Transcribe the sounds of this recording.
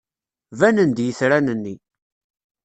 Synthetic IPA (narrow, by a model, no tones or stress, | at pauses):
vænənd̪jəθɾænənːi